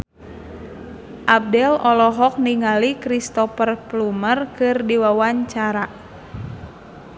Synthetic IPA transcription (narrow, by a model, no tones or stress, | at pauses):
ʔab̚dɛlɔlɔɦɔk̚niŋalikɾist̪ɔfərplumərkɨrdiwawaɲt͡ʃaɾa